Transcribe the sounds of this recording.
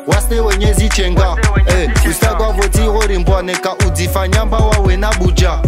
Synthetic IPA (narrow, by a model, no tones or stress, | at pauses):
waseweɲezit͡ʃeːŋɡa | usak̬wakotiɣoɾimbwanekaʔud͡zifaɲambawawenaɓuːt͡ʃa